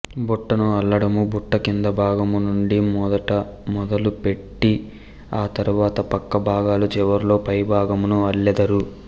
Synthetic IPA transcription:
buʈːɐnuɐɭːɐɽɐmubuʈːɐkind̪ɐbʱaːɡɐmunuɳɖimd̪ɐʈɐmɔd̪ɐlupe̞ʈːi | aːt̪ɐɾuʋaːt̪ɐpɐkːɐbʱaːɡaːlut͡ʃɛʋɐɾlo̞ːpɐjbʱaːɡɐmunuɐɭːɛd̪ɐɾu

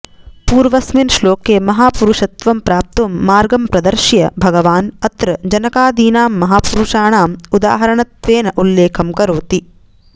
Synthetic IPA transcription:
puːɾʋɐsminʃloːkeːmɐɦaːpuɾuʂɐt̪ʋɐmpɾaːp̚t̪ɐmːaːɾɡɐmpɾɐd̪ɐɾʃjɐ̰bʱɐɡɐʋaːnɐt̪ɾɐd͡ʒɐnɐkaːd̪iːnaːmːɐɦaːpuɾuʂaːɳaːmud̪a̰ːɦɐɾɐɳɐt̪ʋeːnɐʔulːeːkʰɐmkɐɾoːt̪i

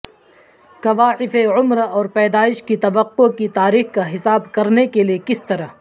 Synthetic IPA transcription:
kɐʋaːʕɪfeʕʊmɾɔːɾpɛːd̪aːɪʃkit̪ɐʋəqːokit̪aːɾiːxkaɦɪsaːbkɐɾnekeliekɪst̪ɐɾəɦ

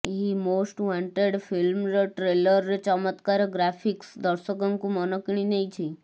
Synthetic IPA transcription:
ɦimosʈʋãɳʈeɖfilmɾʈɾeləɾt͡ɕəmət̪kaɾɡɾafiksd̪əɾsəkaŋkũmɔnɔkɽ̃ĩnejt͡ɕʰĩ

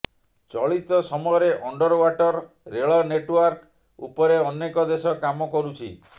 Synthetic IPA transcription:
t͡ʃɔɭit̪ɔsɔmɔjɔɾeʔɔɳɖɔɾɔwaʈɔɾː | eɭɔneʈwaɾk | ṵpɔɾeɔnːekɔd̪esɔkamɔkɔɾut͡ʃʰi

